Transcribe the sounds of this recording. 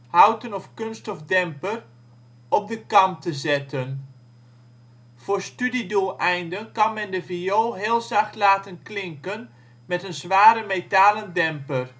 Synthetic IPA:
hawtənɔfkønstɔfdɛmpər | ɔp̚dəkɑmtəzɛtʰən | v̥oːɹstydidulˠɛjndənkɑnmɛndəvioːɦɪːlˠzaxtlaːtənklɪŋkən | mɛtənzʋaːɾəmetaːləndɛmpər

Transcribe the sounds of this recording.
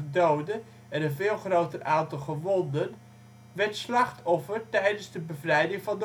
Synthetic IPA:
dowdə | ɛnənvɪːlˠχrowtərʔaːntəlχəʋɔndən | ʋɛɹtslɑχtɔfərtɛjdənzdəbəvrɛjdɪŋvɑndə

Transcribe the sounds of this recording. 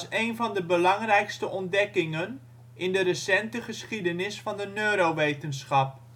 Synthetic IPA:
sejnvɑndəbəlɑŋrɛjkstəʔɔndɛkɪŋən | ɪndəɾəsɛntəχəsχidənɪsfɑndənøːɾowʋejtənsχɑp̚

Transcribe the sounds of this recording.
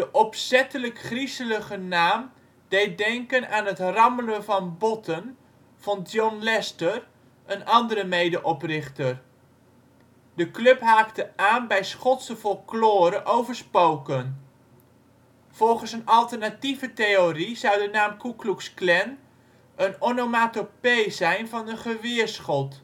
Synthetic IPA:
dəʔɔpsɛtələkχrisələχənaːm | d̥ejt̚dɛŋkənaːnɦətrɑmələnvɑnbɔtʰən | v̥ɔndjɔnlɛstər | ʔənɑndəɾəmejdəʔɔprɪχtər | dəklɵpɦaːktəaːnbɛjsχɔtsəvɔlˠklʊːɾəʔowvəɹspowkən | v̥ɔlˠχənsənɑlˠtərnativətejorizɑwdənaːmkukluksklɛn | ʔənonomatopejzɛjnvɑnənχəʋɪəɹsχɔt

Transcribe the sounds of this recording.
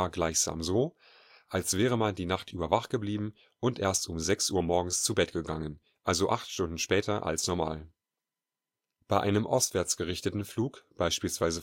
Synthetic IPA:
ɐɡlaɪçz̥a̰ːmzoː | ʔalsv̥ɛːʁ̞əmandiːnaχtʔyːbɐvaχtɡ̥əbliːbm̩ | ʔʊntʔeːɐstʊmzɛksʔuːɐmɔɐɡŋ̩st͡subɛtɡ̥əɡaŋən | ʔalzoʔaχtʃtʊndn̩ʃpɛːtɐʔa̰lsnɔɐma̰ːl | b̥aɪʔaɪnəmʔɔ̰stv̥ɛɐt͡sɡ̥əʁɪçtətn̩fluːkb̥aɪʃpiːlsv̥aɪzə

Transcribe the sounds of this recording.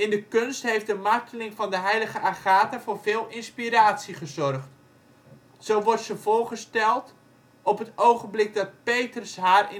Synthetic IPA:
ɪndəkønstɦejfdəmartʰəlɪŋvɑndəɦɛjləχəʔaχaːtavʊːrvɪːlˠʔɪnspiɾaːtsiχəzɔrχt | sowʋɔrtsəvʊːrχəstɛlˠt | ɔpɦətowχənblɪk̚dɑt̚pejtrəsɦaːrɪ

